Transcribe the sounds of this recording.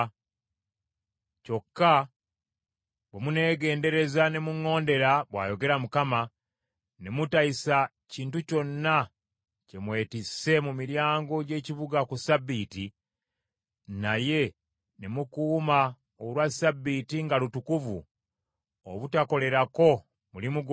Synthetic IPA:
co̞kːa | βwemune̞ːɡe̞ːnde̞ɾe̞zane̞muŋːo̞ːnde̞ɾaβwa̰ːjo̞ɡe̞ɾamukama | nemutaisa | ciːntuco̞nːa | ce̞mwe̞ːtisːe̞mumiɾjaːŋɡo̞ɟe̞ːciβuɡakusabːiːti | naje̞ | nemukuːma | olwasabːitiŋɡalutukuvṵ | oβutako̞le̞ɾako̞ | mulimuɡ

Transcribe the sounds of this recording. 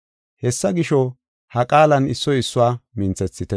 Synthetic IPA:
hɛsːɐɡɪʃɔ | hɐkʼaːlɐnɪsːɔɪsːʊwaːmɪnt͡sɛt͡sːɪt̪ɛ

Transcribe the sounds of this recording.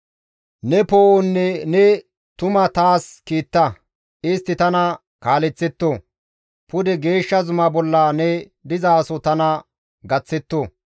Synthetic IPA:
nɛpoːʔɔnːɛnɛ | t̪ʊmɐt̪aːskiːt̪ːɐ | ɪst̪ːɪt̪ɐnɐ | kaːlɛt͡sːɛt̪ːo | pʊd̪ɛɡe̞ːʃːɐzʊmɐbɔlːɐnɛ | d̪ɪzɐːsɔt̪ɐnɐ | ɡɐt͡sːɛt̪ːo

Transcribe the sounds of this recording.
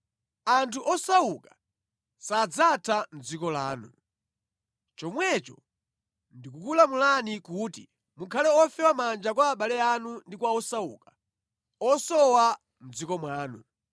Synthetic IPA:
antʰuʔɔsauka | sad͡zatʰam̩d͡zikɔla̰ːnṵ | t͡ʃɔmwɛt͡ʃɔ | ndikukulamulanikuːtḭ | mukʰalɛɔfɛwamand͡ʒak̬waːɓalɛanundikwaɔsaukḁ | ɔsɔwa | m̩d͡zikɔmwaːnṵ

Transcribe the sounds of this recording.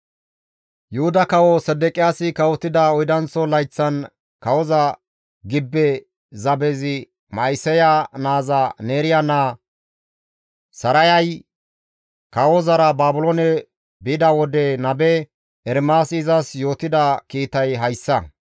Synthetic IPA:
jʊhʊd̪ɐkɐwɔsɛd̪ɛkʼɪjaːsɪkɐwɔt̪ːɪd̪ɐɔjd̪ɐnt͡sːɔlɐjt͡sːɐn | kɐwɔzɐ | ɡɪbːɛ | zɐbɛzɪ | mɐjsɛjanaːzɐneːɾɪjana | sɐɾɐjɐj | kɐwɔzɐɾɐbaːbʊlɔnɛ | bɪd̪ɐwɔd̪ɛnɐbɛ | ɛɾmaːsɪzɐsjo̞ːt̪ɪd̪ɐkiːt̪ɐjɦɐjsːɐ

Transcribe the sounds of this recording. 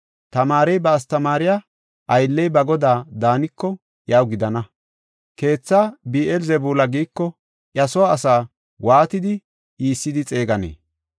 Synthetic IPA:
t̪ɐmaːɾɛjbɐːst̪ɐmaːɾɪjaː | ʔɐjlːɛjbɐɡɔd̪aːd̪aːnɪkːɔ | ʔjaːwɡɪd̪ɐnɐ | ke̞ːt͡sːaːbiːʔɛlzɛbuːlɐɡiːkːɔ | ʔjɐsɔwaːsaː | waːt̪ɪd̪ɪ | iːsːɪd̪ɪt͡sʼe̞ːɡɐnḛː

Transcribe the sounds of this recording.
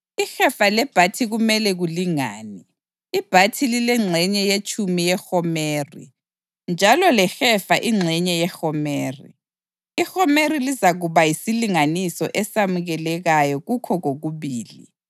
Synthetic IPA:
ixɛfalɛb̥ʱatʰiɣumɛlɛɣuliŋaːniː | b̥ʱatʰililɛŋ͡ǀʱɛɲɛjet͡ʃʼumijɛxɔmeːrḭ | nd͡ʒʱalɔlɛxɛfaʔiŋ͡ǀʱɛɲɛjɛxɔmeːrḭ | ixɔmerilizaɣuβajisiliŋanisɔ̰ʔɛsamuɣɛlɛɣajɔɣukʰɔɣoɣuβiːlḭ

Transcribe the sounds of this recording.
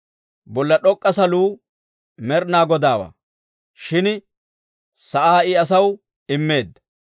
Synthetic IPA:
bɔlːɐɗɔkʼːɐsɐluː | mɛɾnaːɡɔd̪aːwa̰ː | ʃɪn | sɐʔaːɪɐs̬ɐw | ɪmːe̞ːd̪ːɐ

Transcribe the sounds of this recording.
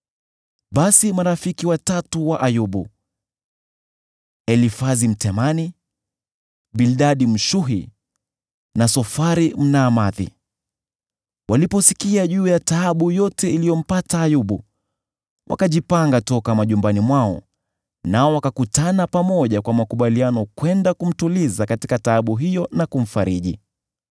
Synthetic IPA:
ɓasimaɾafikiwatatuwaʔajuɓu | ɛlifazim̩tɛmani | bilɗaɗim̩ʃuɦi | nasɔfaɾim̩naːmaðḭ | wʔalipɔsikiaʄuːjataːɓujɔtɛilijɔm̩pataːjuɓu | wʔa̰kaʄipaŋɡatɔkamaʄumbanimwaɔ̰ | naɔwakakutanapamɔʄakwamakuɓalianɔkwɛndakum̩tulizakatikataaɓuɦijɔnakum̩faɾiʄḭ

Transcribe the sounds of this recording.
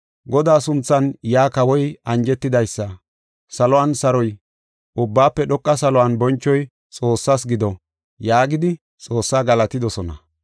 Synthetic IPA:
ɡɔd̪aːsʊnt͡sːɐnjaːkɐwɔjɐnd͡ʒɛt̪ːɪd̪ɐjsːɐ | sɐlɔwaːnsɐɾɔj | ʔʊbːaːpːɛɗɔkʼːɐsɐlɔwanbɔnt͡ʃːɔj | t͡sʼo̞ːsːasɡɪd̪ɔ | jaːɡɪd̪ɪ | t͡sʼo̞ːsːaːɡɐlɐt̪ɪd̪ɔsɔnɐ̰

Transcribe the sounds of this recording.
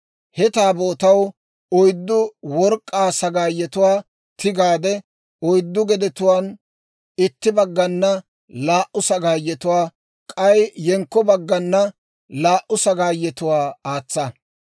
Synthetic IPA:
hɛt̪aːboːt̪ɐw | ɔjd̪ːʊwɔɾkʼːaːsɐɡaːjːɛt̪ʊwaː | t̪ɪɡaːd̪ɛ | ɔjd̪ːʊɡɛd̪ɛt̪ʊwaːn | ɪt̪ːɪbɐɡːɐnːɐ | laːʔʊsɐɡaːjːɛt̪ʊwaː | kʼɐjːɛŋkːɔbɐɡːɐnːɐ | laːʔʊsɐɡaːjːɛt̪ʊwaːaːt͡sːɐ

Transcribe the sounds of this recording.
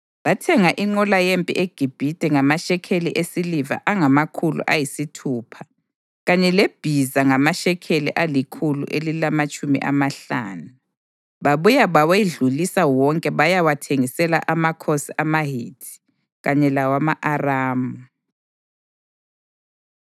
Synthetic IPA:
βatʰɛŋaʔiŋ͡ǃɔlajempʼḭʔeɡ̥ʱib̥ʱid̥ʱʼɛŋamaʃɛkʰelḭʔesiliva̰ʔaŋamakʰulṵʔajisitʰuːpʰḁ | ɣaɲɛleb̥ʱizaŋamaʃɛkʰeliʔalikʰulṵʔelilamat͡ʃʼumḭʔa̰maɬa̰ːnu | βaβujaβaweɮulisawɔŋkʼɛβajawatʰeŋisɛla̰ʔamakʰosiʔamaɦitʰi̥ | ɣaɲɛlawamaʔaraːmu

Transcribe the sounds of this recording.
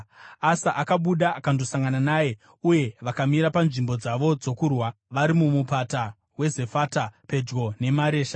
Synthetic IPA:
asaʔakaɓuɗaakandosaŋɡananaːje̞ | uje̞ʋakamiɾapanʐimbo̞d͡zaʋo̞d͡zo̞kurwa | ʋaɾimumupata | we̞ze̞fatape̞d͡ʒɡo̞ne̞maɾe̞ːʃḁ

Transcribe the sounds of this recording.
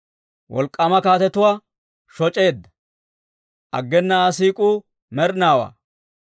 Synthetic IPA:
wʔɔlkʼːɐmɐkaːt̪ɛt̪ʊwaː | ʃɔt͡ʃʼe̞ːd̪ːɐ̥ | ʔɐ̰ɡːɛnːɐaːs̬iːkʼuː | mɛɾnaːwa̰ː

